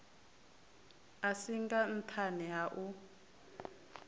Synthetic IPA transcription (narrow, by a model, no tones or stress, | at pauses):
asiŋɡan̩tʰanɛɦaʔu